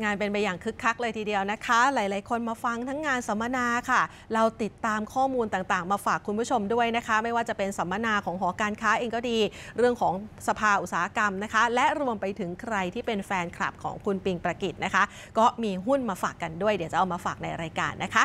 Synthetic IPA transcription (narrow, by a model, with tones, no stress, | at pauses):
ŋaː˧npe˧npa˧jːaː˨˩ŋkʰɯ˦˥kʰːa˦˥k̚lɤː˧jt̪ʰiː˧di˧əwna˦˥kʰa˦˥laː˩˦jlaː˨˦jkʰo˧nmaː˧fa˧ŋt̪ʰa˦˥ŋːaː˧nsa˩˦mːa˧naː˧kʰa˥˩ | ɾa˧wt̪i˨˩t̪ːaː˧mkʰɔː˥˩muː˧nt̪aː˨˩ŋt̪aː˨˩ŋmaː˧faː˨˩kʰːu˧npʰu˦˥t͡ɕʰo˧mdu˥˩əjna˦˥kʰa˦˥ma˥˩jwaː˥˩t͡ɕa˨˩pe˧nsa˩˦mːa˧naː˧kʰɔː˩˦ŋɦɔː˩˦kaː˧nkʰaː˦˥ʔeː˧ŋkɔː˥˩diː˧ɾɯ˥˩əŋkʰɔː˩˦ŋsa˧pʰaː˧ʔu˨˩t̪saː˨˩˦a˦˥ka˧mna˦˥kʰa˦˥lɛ˦˥ɾu˧əmpa˧jt̪ʰɯ˨˩˦ŋkʰɾa˧jt̪ʰiː˥˩pe˧nfɛː˧nkʰɾa̰˨˩p̚kʰɔ̰ː˩˦ŋkʰu˧npi˧ŋpɾa˧ki˨˩t̪̚na˦˥kʰa˦˥ʔ | kɔː˥˩miː˧ɦu˥˩nmaː˧faː˨˩kːa˧ndu˥˩əjdi˨˩˦wt͡ɕa˨˩ʔa˧wmaː˧faː˨˩k̚na˧jɾaː˧jka̰ː˧nːʔa˦˥kʰa˦˥